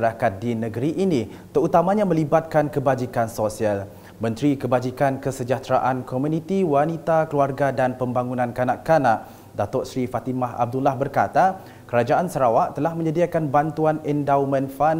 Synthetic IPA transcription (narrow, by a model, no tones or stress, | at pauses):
ɾakat̪̚dinəɡəɾiʔinĩ | t̪əɾut̪amãɲamə̃libat̪̚kankəbad͡ʒikansosial | mə̃nt̪ɾikəbad͡ʒikankəsəd͡ʒat̪ɾaʔankomunĩt̪iwanit̪akəluarɡadanpəmbaŋunãnkanaʔkanaʔ | dat̪ɔʔsɾifat̪imaɦa̰b̚dulahbərkat̪a | kəɾad͡ʒaʔansəɾawaʔt̪əlahmə̃ɲədiakanbant̪uanɛndawmə̃nfa